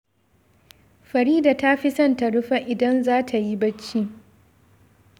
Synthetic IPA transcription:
ɸɐ˨ɾiː˦da˨ta˦ɸi˦sɐ˦nta˨ɽʊ˦ɸa˦ʔɪ˨dɐ˦nzaː˦tʰa˨ji˦bɐ˦t͡ʃːiː˦

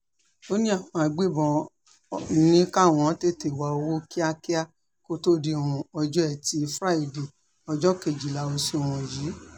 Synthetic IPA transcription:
o˦nĩ˦a˦˨fɔ̃˧˨a˧ɡ͡be˦˨bɔ̃˧˦ | nĩ˦ka˦˨w̃ɔ̃˧˦te˦te˨wa˨o˧wo˦ki˦a˦˧ki˦a˦ | ko˦to˦˨di˧˨w̃ɔ̃˨ɔ˧d͡ʒɔ˦ɛ˦˨ti˧˦fɾa˦i˨de˨ | ɔ˧d͡ʒɔ˦ke˨d͡ʒi˨la˨˦o˧si˦o˨w̃ɔ̃˨ji˨˦

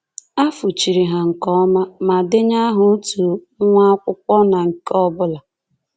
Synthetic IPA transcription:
a˦fu˨t͡ʃi˨ɾi˨ɦa˨ŋ̩˨kɔ˦ma˦ma˨dɪ˦ɲa˦ɦʊ˨˦tu˨˦ | ŋʷa˦a˦kʷʊ˦kʷɔ˦na˨ŋ̩˨kɔ˦bʊ˦la˨

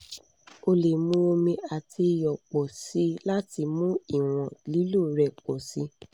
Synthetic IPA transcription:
o˧le˨mũ˦o˧mĩ˧a˨tʰi˧jɔ˨k͡pɔ˨si˦la˦ti˧mũ˦i˨w̃ɔ̃˨li˨˦lu˦˨ɾɛ˨k͡pɔ˨si˨˦

